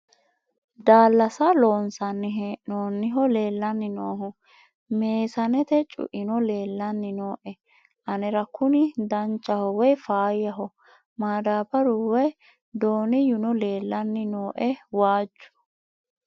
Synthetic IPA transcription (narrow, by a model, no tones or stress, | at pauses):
d̪aːlːɐsɐloːnsɐnːɪɦɛnoːnːɪɦɔle̞ːlːɐnːɪnoːɦɔ | meːsɐnɛt̪ɛt͡ʃʼʊ̰ʔɪnɔle̞ːlːɐnːɪno̞ːʔɛ | ʔɐnɛɾɐkʰʊnɪd̪ɐnt͡ʃʼːɐhɔwɛfaːjɐɦɔ | maːd̪aːbɐɾʊwɛ | d̪oːnɪjʊnɔleːlːɐnːɪnoːʔɛwaːd͡ʒːʊ̥